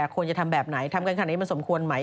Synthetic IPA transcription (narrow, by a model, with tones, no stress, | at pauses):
kʰu˧ənt͡ɕa˨˩t̪ʰa˧mbɛː˨˩p̚na˩˦jt̪ʰa˧mkaː˧nka˧˩nː˨iː˦ma˧nso˩˦mkʰu˧ənma˦˥j